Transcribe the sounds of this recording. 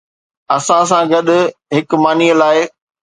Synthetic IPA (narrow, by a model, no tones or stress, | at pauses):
ɐsãs̬ãɡɐɗʊ̆ɦɪkmaːniːəlaːɪ